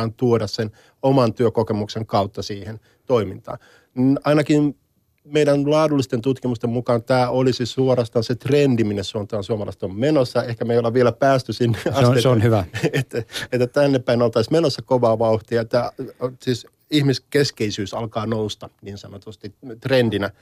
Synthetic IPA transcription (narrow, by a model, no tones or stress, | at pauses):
ɑːnt̪uodɑssen | omɑnt̪yøkokemukseŋkɑut̪ːɑsiːhen | t̪oimint̪ɑ̰ː | ninɑinɑkin | meidænlɑːdulːist̪ent̪ut̪kimust̪emmukɑːnt̪æːʔolisisuoɾɑst̪ɑnset̪rendiminessuont̪ɑːnsuomɑlɑ̰isĕ̥t̪ommenosːɑehkæmeijoleʋʋielæpæːst̪ysinːeɑseseonhyʋæet̪ːæet̪ːæt̪ænːeppːæinolt̪ɑismenosːɑkoʋɑːʋɑuht̪iɑet̪ːæsiːs | ihmiskeskeisyːsɑlkɑːnoust̪ɑniːnsɑnot̪ust̪it̪rendinæ